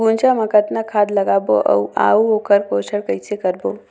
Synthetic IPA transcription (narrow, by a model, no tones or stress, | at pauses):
ɡunt͡ɕaməkət̪nakʰad̪ləɡabo̰ʔə̰wa̰uokʰəɾkosəɽkəjt͡sekəɾbo